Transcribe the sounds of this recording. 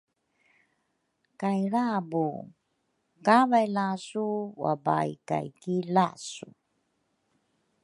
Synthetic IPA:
kajɾabu | kavajlasuwa̰ba̰jka̰jkilasu

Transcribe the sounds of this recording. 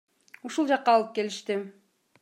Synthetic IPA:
uʃulˠd͡ʒɑqːɑːlˠɯp̚ke̞liʃt̪ɪ

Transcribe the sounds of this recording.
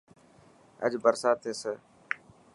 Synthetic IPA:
ə̰d͡ʒbəɾsaːt̪ʰeːsəː

